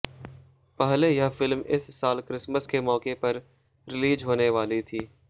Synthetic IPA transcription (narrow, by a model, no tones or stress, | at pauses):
pɛɦlejɐfɪlmɪssaːlkɾɪsməskemɔːkepɐɾ | ɾɪliːd͡ʒɦoːneʋaːlit̪ʰiː